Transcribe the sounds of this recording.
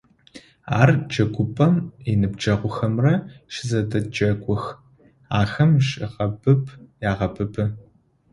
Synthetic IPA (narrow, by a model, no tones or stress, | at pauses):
a̰ːrd͡ʒɐɡʷʊpʼɐmɪnɨbd͡ʒɐʁʷʊxɐmrɐʃɪzɐdɐd͡ʒʼɐɡʷʼʊx | aːxɐmɕʼɪʁɐbʰɨpʰjaːʁɐbʰɨbʰɨ